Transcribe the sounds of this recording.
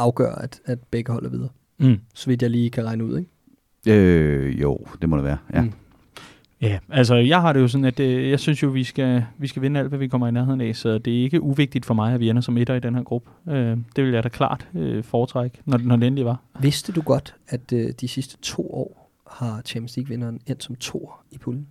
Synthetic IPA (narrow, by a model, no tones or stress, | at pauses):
ɑ̈ʊɡ̥ɶ̰ːɐæd̥æd̥̚b̥eɡ̥əhɒ̽l̰æɐʋið̞ˠɐ | sɒ̽ʋid̥jɑ̈ɪliːkʰæʁɑ̈ɪnəuð̰ˠeɡ̥ | øjo̰ʊd̥e̝mɒd̥eʋæːɐjæ | jææls̬ɒjɑ̈ɪɦɑ̈ɾe̝jo̝s̬ɒ̽n̩æd̥jɑ̈ɪsynsjo̝ʋisɡ̥æʋisɡ̥æʋe̝nəæl̰d̥ʋæʋikʰɒ̽m̰ɐinæɐɦe̝ðˠn̩ɛsɒ̽d̥e̝æɐe̝ɡ̥əʔuʋe̝ɡ̥̚d̥id̥fɒ̽mɑ̈ɪæʋienɐsɒ̽me̝ɾɐidenheɐɡ̥ʁub̥əød̥e̝ʋe̝ljɑ̈ɪɾ̥ækʰlɑ̰̈ːd̥øfɒːt͡sʰʁɑɡ̥ənɒnɒdeen̩liʋɑ̈ʋe̝sd̥əd̥uɡ̥ɒ̽d̥æd̥ød̥isisd̥ə̥t͡sʰo̝̰ːɒ̰ː | hɑ̈t͡ɕʰæmnsliɡ̥ʋe̝nɐːnen̰̥sɒ̽mt͡sʰo̝̰ːɐipʰuln̩